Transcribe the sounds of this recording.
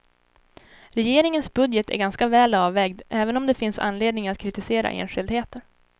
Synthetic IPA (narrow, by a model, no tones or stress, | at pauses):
ɾɛjeːɾɪŋənsbɵd̪jət̪ʰæ̰ɾɡanskavɛːlɑːvːɛːɡd̪ʔɛːvənɔmd̪ɛfɪnsa̰nːleːd̪nɪŋat̪̚kʰɾɪt̪ɪseːɾa̰ʔḛːnɧɪld̪heːt̪əɾ